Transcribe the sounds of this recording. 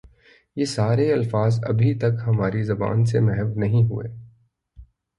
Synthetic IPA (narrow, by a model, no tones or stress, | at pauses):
jeːsaːɾeɐlfaːzɐ̰bʱit̪ɐkɦɐmaːɾizɐba̰ːnsemɛɦɛʋnɐɦĩɦṵḛː